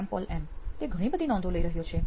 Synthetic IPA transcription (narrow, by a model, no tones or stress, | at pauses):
ɛmpɔlʔɛmt̪eɡʱəɽ̃ibəd̪ʱinɔ̃nd̪ʱoləiɾəɦjot͡ʃʰe